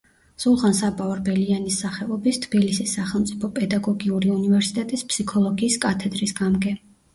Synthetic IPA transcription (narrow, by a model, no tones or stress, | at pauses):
sulˠʁansabʼaɔɾbɛlianisːaχɛɔbist̪ʰb̥ilisisːaχɛlˠmt̪sʼipʰɔpʼɛd̪aɡɔɡiuɾiunivɛɾsi̥t̪ʼɛt̪ʼispʰsikʰɔlˠɔɡiːskʼat̪ʰɛd̪ɾisɡamɡɛ